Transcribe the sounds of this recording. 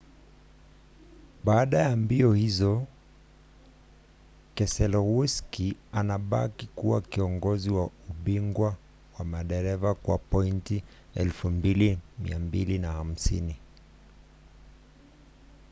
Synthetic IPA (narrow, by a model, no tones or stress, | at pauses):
ɓaːɗajambiɔhizɔ | kɛsɛlɔɣuskianaɓakikuwakiɔŋɡɔziwauɓiŋɡwa | wamaɗɛɾɛvakwapɔinti | ɛ̰lfumbilimḭambilinaham̩sini